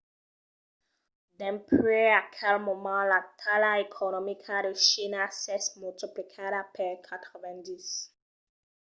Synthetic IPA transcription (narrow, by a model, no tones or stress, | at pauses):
dɛ̃pɹeakʰɛlmomɑ̃latʰalaekʰonomikʰadeʃinasɛsmult̪iplikʰaɾapɛɾkʰat̪ʁovɛ̃ndis